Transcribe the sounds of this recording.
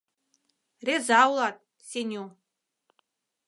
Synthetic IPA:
rezɑwlˠɑt̪̚ | sʲenʲu

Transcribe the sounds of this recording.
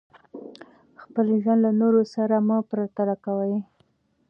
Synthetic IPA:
xpəlʒwand̪lanoɾosaɾamapɾat̪alakawəj

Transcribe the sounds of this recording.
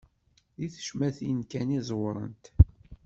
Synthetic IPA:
iθə̥ʃmæθiənkænizˤwɾˤə̰nt̪

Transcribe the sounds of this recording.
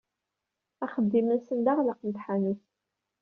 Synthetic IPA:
æχəd̪ːimənsənd̪aʁlaqənt̪ħaniθ

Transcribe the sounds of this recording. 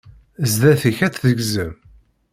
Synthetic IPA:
zðæθiçæt͡sðəɡzəm

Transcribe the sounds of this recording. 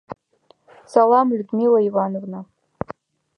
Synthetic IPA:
salamɥdmilaivanrna

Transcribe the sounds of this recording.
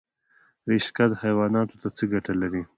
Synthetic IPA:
ɾeʃkad̪hajwɑːnɑt̪ot̪at͡səɡaʈalaɾi

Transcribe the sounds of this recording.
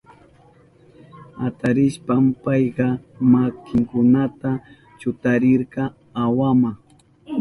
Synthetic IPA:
at̪aɾɪʃpampɑjqɑmakɪŋkʊnat̪a | t͡ʃʊt̪aɾɪɾɢɑ | awama

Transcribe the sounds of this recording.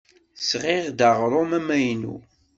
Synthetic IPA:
sʁɪʁd̪ɑʁɾˤomæmæjnṵ

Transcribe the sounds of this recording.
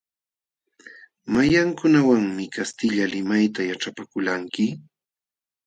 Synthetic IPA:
majaŋkʊnawaŋmɪkast̪ɪʎalɪmajt̪ajaʈ͡ʂapakʊlaŋkɪ

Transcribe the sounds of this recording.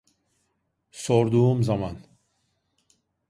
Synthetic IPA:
sɔɾd̪uumzaman

